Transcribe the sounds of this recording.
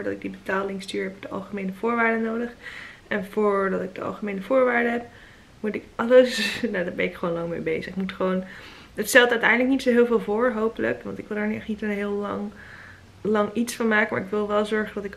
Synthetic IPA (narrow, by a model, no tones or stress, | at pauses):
ɹdɑtɪɡ̚dibətaːlɪŋstyːɹɦɛpɪk̚d̥əɑ̰lˠχəmejnəv̥ʊːɹʋaːɹdənowdəχʔɛnvʊːɹdɑtɪɡ̚dəɑ̰lˠχəmejnəvʊːɹʋaːɹdəɦɛp̚ | mutɪkɑləsnadaːɹbɛ̰nɪkχʋoːnlɑŋmḛjbejzəχɪkmutχəʋown | ətstɛlˠtœɥtɛjndləknitsoɦɪːlˠvɪːlˠvʊːɹɦowpələ̰kʋɑ̰ntɪkʋɪlˠdəɹnyɛχnitənɦɪːlˠɑŋ | lɑŋitsfɑnmaːkəmaːɹɪkʋɪlˠʋɛlˠzɔɹχəndɑtɪk